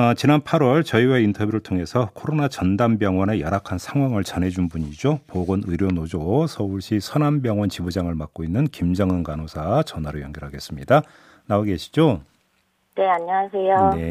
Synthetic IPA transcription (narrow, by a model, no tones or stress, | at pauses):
ʌt͡ɕinanpʰaɾwʌɭt͡ɕʌiweintʰʌbjuɾɯɭtʰoŋe̞sʰʌkʰoɾonat͡ɕʌndambjʌŋwʌne̞jʌɾakʰansʰaŋɦwaŋɯɭt͡ɕʌnɦe̞d͡ʑunbuɲid͡ʑopoɡonɯɾjʌnod͡ʑosʰʌuɭɕ͈isʰʌnanbjʌŋwʌnt͡ɕibud͡ʑaŋɯɭmak̚k͈oinːɯnkimd͡ʑʌŋɯnɡanosʰat͡ɕʌnaɾojʌŋɡjʌɾɦaɡe̞s͈ɯmɲida | naoɡe̞ɕʰi̥d͡ʑo | ne̞aɲːaŋasʰe̞jone̞